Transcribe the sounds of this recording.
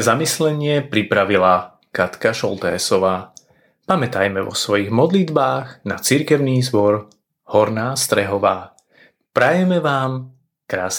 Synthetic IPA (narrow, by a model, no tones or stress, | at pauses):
zamislɛɲɪɛpɾipɾaʋila | kat̪kaʃɔlt̪ɛ̰ːsɔʋaː | pamɛt̪ajmɛʋɔ̰sʋɔjiɣmɔd̪lid̪baːɣna̰t͡siɾkɛʊniːzbɔɾ | hɔɾnaːst̪ɾɛɦɔʋaː | pɾajɛmɛʋaːm | kɾaːs